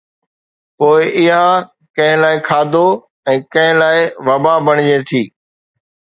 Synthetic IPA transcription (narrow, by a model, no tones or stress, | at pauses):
poːɪʔɪɦã | kɐ̃ɦɪ̃laːɪkʰaːd̪ʱo | ɛ̃ːkɐ̃ɦɪ̃laːɪʋɐbaːbɐɽ̃ɪd͡ʑet̪ʰiː